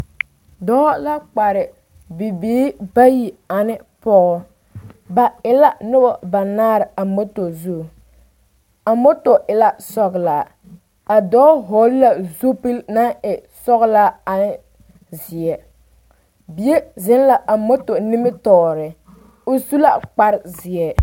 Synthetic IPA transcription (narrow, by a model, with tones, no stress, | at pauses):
dɔː˦la˦k͡pa˨ɾɪ˨ | bi˨biː˦ba˦ji˨a˨nɪ˦pɔ˦ɣɔ˦ | ba˨ɪ˨la˦nʊ˦bɔ˦ba˨naː˦ɾɪ˨a˨mo˦to˨zu˦˨ | a˨mo˦to˨ʔɪ˨la˦sɔ˦ɣlaː˨ | a˨dɔː˦ɦo˨˦lla˦zu˦pi˦lna˦ɪ˨ | sɔ˦ɣla˦a˨nɪ˦ | zɪ˨ɛ˨ | bi˨je˦zɪ˦n˦la˨ʔa˨mo˦to˨nɪ˦mɪ˦tɔː˦ɾɪ˨ | o˦su˦la˦k͡pa˦ɾɪ˨zɪ˨ɛ˨